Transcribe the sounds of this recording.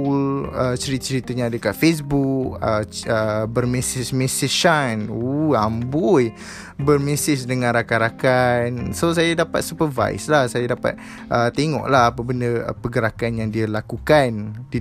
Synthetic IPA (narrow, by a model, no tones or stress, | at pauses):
lət͡ʃəɾit̪̚t͡ʃəɾit̪əɲaːdəkafes̬bukəəbərmesɪsmesiʃanuambuj | bərmesɪs̬dəŋãnɾakaɾakansos̬ajadapa̰t̪̚supəva̰ɪ̰slahsajadapa̰t̪̚ | ʔət̪eŋɔ̰ʔlahapabəndəpəɡəɾakanjaŋdialakukandi